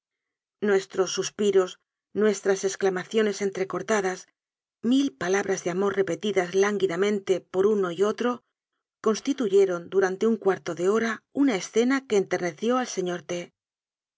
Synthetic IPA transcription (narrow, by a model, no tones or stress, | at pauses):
nwe̞st̪ɾo̞sːuspiɾo̞s | nwe̞st̪ɾase̞sklamaθjo̞ne̞se̞nt̪ɾe̞ko̞ɾt̪aðas | milpalaβɾazðeamo̞rre̞pe̞t̪iðazlaŋɡiðamẽ̞nt̪e̞po̞ɾuno̞io̞t̪ɾo | ko̞nst̪it̪uʝe̞ɾo̞nd̪uɾant̪e̞uŋkwaɾt̪o̞ðe̞o̞ɾaunae̞sθe̞nake̞ːnt̪e̞ɾne̞θjo̞alse̞ɲo̞ɾt̪e̞